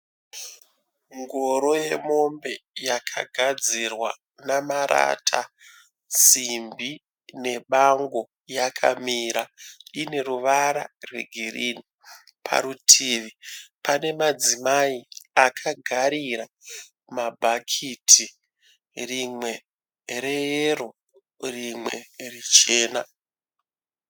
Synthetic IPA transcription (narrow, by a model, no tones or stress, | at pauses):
ŋɡoɾo̞je̞mo̞mbe̞jakʰa̰ɡʱad͡zirwa̰ | namaɾa̰tʰa | simbi | ne̞ɓaŋɡo̞ | jakʰa̰miːɾaine̞ɾuʋaɾa̰rwe̞̰ɡʱirini | pʰa̰ɾutʰiːʋipane̞mad͡zimaiakʰaɡʱaɾiɾa | mabʱakʰitʰi | rimwe̞ | ɾejero | rimwe̞̰rit͡ʃe̞ːna